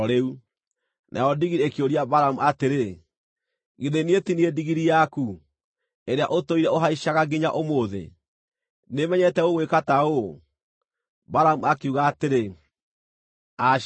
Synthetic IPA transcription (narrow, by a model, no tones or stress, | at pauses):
ɾeu | nʔa̰ɔdiɣiɾiekioɾiabaɾamuateɾe | ɣiðenietiniediɣiɾijaku | eɾea̰ʔotoiɾɛoɦaiʃaɣaɡiɲa̰ʔomoðḛ | nemɛɲɛtɛoɣwekatao | baɾamuakeuɣaːteɾe | a